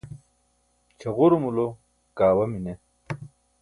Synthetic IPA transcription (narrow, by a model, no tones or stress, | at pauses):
t͡ɕʰɐʁuɾomulo | kaːwɐmine